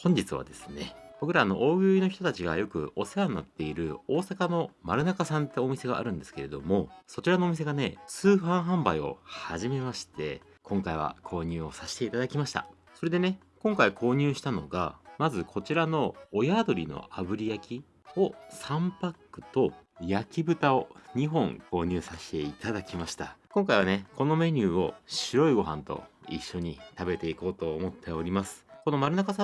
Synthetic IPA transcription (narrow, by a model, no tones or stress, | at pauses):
hõ̞ɲ̟d͡ʑit͡sɨβa̰d̪e̞sɨne̞b̥o̞kɯ̟ɾaːno̞̰ʔoːɡɯ̟ino̞çi̥t̪o̞t̪at͡ɕiɡa̰jo̞kɯ̟̰o̞seanːa̰t̪ːe̞iɾɯ̟o̞ːsakano̞maɾɯ̟nakasãnt̪ːe̞o̞mʲise̞ɡa̰ʔa̰ɾɯ̟̃nd̪e̞sɨ̥ke̞ɾe̞d̪o̞mo̞so̞t͡ɕiɾano̞ːmʲis̬e̞ɡane̞t͡sɨːɸãɰ̃ɦãmbaio̞̰haʑime̞maɕi̥t̪ʰe̞̰ | kʰõ̞ŋkaiβ̞a̰kʰo̞ːɲ̟ɨːo̞saɕi̥t̪e̞it̪ad̪akʲimaɕi̥t̪a̰ | so̞ɾe̞d̪e̞ne̞ | kõŋkaikʰo̞ːɲ̟ɨːɕi̥t̪ano̞̰ɡa̰mazɨkʰo̞t͡ɕiɾano̞ːjaːd̪o̞ɾʲino̞̰abɯ̟ɾʲijakʲi | o̞sãmpakːɯ̟̥t̪o̞jakʲibɯ̟t̪ao̞ɲ̟iɦõ̞ŋkʰo̞ːɲ̟ɨːsaɕi̥t̪e̞it̪ad̪akʲimaɕi̥t̪akõ̞ŋkaiβ̞ane̞ko̞no̞me̞ɲ̟ʲɨːo̞ɕiɾo̞iɡo̞ɦã̰nt̪o̞̰iɕːo̞ɲ̟it̪abe̞t̪e̞iko̞ːt̪o̞ːmo̞t̪ʰːe̞oɾʲimasɨ̥ko̞no̞maɾɯ̟nakasa